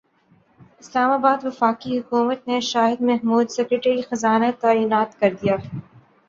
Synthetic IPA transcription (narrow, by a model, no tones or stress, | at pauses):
ɪslaːmaːbaːd̪ʋɪfaːkiɦʊkuːmət̪̚neʃaːɦɪd̪mɐɦmuːd̪sɛkɾeʈəɾixɐzaːnat̪aːiːnaːt̪kɐɾd̪ijaː